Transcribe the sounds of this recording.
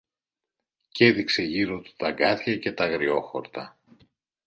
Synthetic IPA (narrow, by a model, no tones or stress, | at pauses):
ce̞ðikse̞ʝiɾot̪u̥t̪ɐɡɐθçɐce̞t̪ɐɣɾio̞xo̞̰ɾt̪ɐ